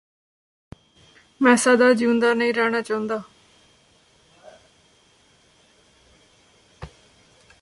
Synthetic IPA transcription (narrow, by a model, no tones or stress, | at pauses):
mɛ̃ːsad̪aːd͡ʒiʊ̃nd̪aːnəĩːɾɛːɳ̃aːt͡ʃãːnd̪aː